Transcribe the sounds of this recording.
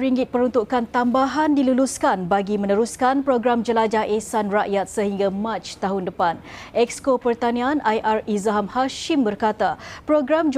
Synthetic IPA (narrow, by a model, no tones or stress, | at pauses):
ɾiŋɡɪt̪̚pəɾunt̪uʔkant̪ambaɦandiluluskanbaɡimə̃nəɾuskanpɾoɡɾamd͡ʒəlad͡ʒahʔesanraʔjat̪̚səɦiŋɡamãt͡ʃt̪aɦundəpanʔɛkskopərt̪anĩãnʔajʔarizaɦamhaʃimbərkat̪apɾoɡɾamd͡ʒ